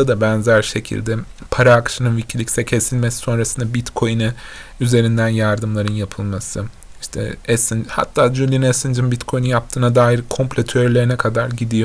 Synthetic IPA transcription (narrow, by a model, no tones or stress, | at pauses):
ad̪abænzæɾʃe̞cʰḭlʲd̪ɛ | pʰaɾaːkʃɯnɯnvicʰilʲicsɛcʰe̞silʲmesi̥so̞nɾasɯnd̪abit̪kʰo̞jnɯ | yze̞ɾind̪ænjaɾd̪ɯmlˠaɾɯnjapʰɯlˠmasɯ | iʃt̪ʰɛ̰ɛsɯnd͡ʒha̰t̪ʰːaːd͡ʒylʲinɛsɯnd͡ʒɯnbit̪kʰo̞jnunjap̚t̪ʰɯːnad̪aːjiɾkʰo̞mpʲlʲet̪ʰøɾlʲeɾinɛkʰad̪aɾɟid̪ijo